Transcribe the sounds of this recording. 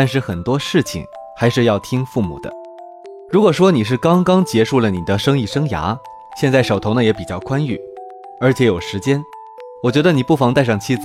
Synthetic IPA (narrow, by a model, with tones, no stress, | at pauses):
t̪a˥˧nʂ̬ɻ̩˥˩xə˨˩nt̪wɔ˥ʂɻ̩˥˩t͡ɕʰḭ˨˩ŋ | xa˧˥ɪʂɻ̩˥˧jɑ˥˩ʊt̪ʰi˥ŋfu˥˩mṵ˨˩d̪ə̰˦ | ɻu˧˥kwɔ˨˩ʂwɔ˥ni˨˩ʂ̬ɻ̩˥˩kɑ˥ŋkɑ˥ŋt͡ɕjɛ˧˥ʂu˥˩lə˩ni˨˩d̪ə˦ʂɤ˥ŋi˥˩ʂɤ˥ŋja̰˧˥ | ɕjɛ˥˧nt͡sa˥˩ɪʂo˨˩ʊt̪ʰo˧˥ʊnə˧jɛ˧˥pi˨˩t͡ɕjɑ˥˩ʊkʰwa˥ny˥˩ | ə˞˧˥t͡ɕʰjɛ˧˥jo˨˩ʊʂɻ̩˧˥t͡ɕjɛ˥n | wɔ˨˩t͡ɕɥɛ˧˥d̪ə˧ni˨˩pu˥˩fɑ˧˥ŋt̪a˥˧ɪʂɑ˥˩ŋt͡ɕʰi˥t͡sɹ